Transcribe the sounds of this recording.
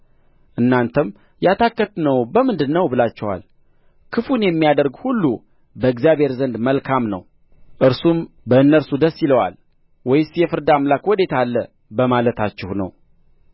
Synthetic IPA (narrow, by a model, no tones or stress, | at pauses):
ʔɨnːant̪ʰəm | jat̪ʰakːət̪nəwbəmɨnd̪ɨnːəwbɨlat͡ʃːɛwa̰l | kʰɨfunjɛmːijad̪əɾɡhulːu | bəɨɡzjaβʱhe̞ɾzənd̪məlkʰamnə̰w | ʔɨɾsum | bəɨnːəɾsud̪əsːiləwa̰l | wɔjɪsjɛfɨɾd̪amlakwɔd̪e̞t̪ʰalːə | bəmalət̪ʰat͡ʃːɪhnə̰w